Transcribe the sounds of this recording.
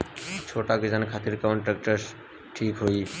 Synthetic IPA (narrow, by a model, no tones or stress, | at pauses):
t͡ʃʰoʈaked͡ʒankʰat̪iɾkawɳʈɾek̚ʈəɾs | ʈʰikɦoj